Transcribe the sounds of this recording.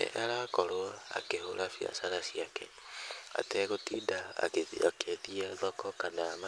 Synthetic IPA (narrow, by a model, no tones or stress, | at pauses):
ɛ̰ʔaɾakɔɾoaa̰kehoɾafia̰saɾasiakɛ | a̰tɛɣotidaa̰kekʰeðiaðɔkɔkanama